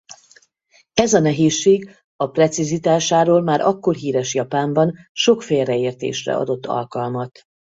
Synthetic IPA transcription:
ɛzɒnɛɦeːʃːeːɡ | ɒprɛt̪sizit̪aːʃaːɾoːlmaːɾʔɒkːo̞rɦiːɾɛʃjɒpaːmbɒnʃo̞kfeːlrɛeːrt̪ḛːʃrɛ̰ɒ̰d̪o̞t̪ːɒ̰lkɒlmɒt̪

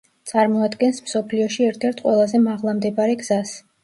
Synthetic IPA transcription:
t̪sʼaɾmɔad̪ɡɛnsmsɔpʰliɔʃiɛɾt̪ʰɛɾt̪ʰqʼwɛlˠazɛmaʁlˠamd̪ɛbaɾɛɡz̥as

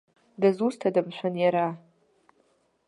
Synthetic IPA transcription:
dazustʰadamʃʷanjaɾa

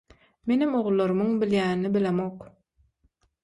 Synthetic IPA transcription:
menimoʁulˠːoɾumuŋbiljæːnnibilemoq

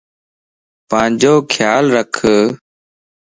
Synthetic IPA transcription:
pãːd͡ʒoːkʰjaːlɾəkʰə

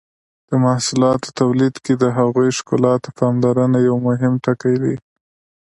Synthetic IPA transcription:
d̪̥əmahsulɑt̪o̥t̪awlid̪ked̪əɦaɣujʃkʊlɑt̪opʰɑmlaɾənajawmʊɦɪmʈakajwi

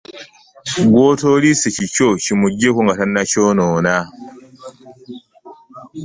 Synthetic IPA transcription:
ɡwoːtoːlisecicocimuɟːekuŋɡatanːacoːnoːna

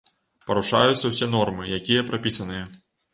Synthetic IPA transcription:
pɐɾuʂa̰jut̪sːɐwsʲɛnɔrmɨjakʲijɐpɾapʲisɐnɨjɐ

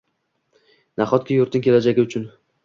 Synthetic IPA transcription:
naχɒt̪̚kʲajʊɾt̪ɪŋkʲʰe̞lad͡ʒaɡʲɪʊt͡ʃʰʊn

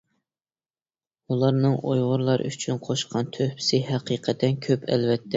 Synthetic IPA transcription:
ulˠɑɾnɨŋojʁʊɾlˠɑɾ̰yt͡ʃʰynqʰoʃqʰɑnt̪ʰøhpsɪɦæqʰiqʰət̪ʰːɛnkʲʰøpʰɛ̰lvɛt̪ʰːɛ

